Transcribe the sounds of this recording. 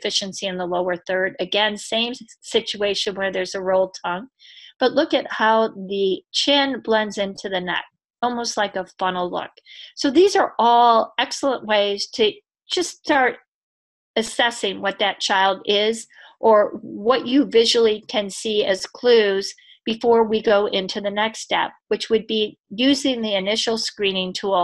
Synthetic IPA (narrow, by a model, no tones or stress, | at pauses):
fɪʃɨ̃nsiɨ̃nðəloʊə˞θɜ˞ɾɨɡɛ̃nsẽɪ̃msɪt͡ʃʉeɪʃɨ̃nwə˞ðə˞zɨɹoʊlˠtʰʌ̃ŋb̥ʌtˡlʊkɨt̚haʊðɨt͡ʃʰɪ̃nblɛ̃ndzɪ̃ntʰʉðɨnɛ̰k̚ | ɔlˠmoʊstˡlaɪkəfʌ̃nl̩ˠlʊ̰ksoʊðizə˞ʔɔlˠɛksl̩ˠə̃nʔweɪz̥tʰɨ̥ | d͡ʒ̥ʌstɑɹɾ | ɨsɛsɪ̃ŋwʌt̪̚ðɨt̚t͡ʃʰaɪlˠdɪz | ʔə˞wʌt͡ʃɨvɪʒl̩ˠikʰɨ̃nsiɨz̥kʰl̥ʉz̥ | b̥ɨfɔɹwiɡoʊʔɪ̃ntʰʉðɨnɛkstɛ̰p̚wɨt͡ʃwɨd̚bi | jʉzɪ̃ŋðiɨnɪʃl̩ˠskɹĩnɪ̃ŋtʰu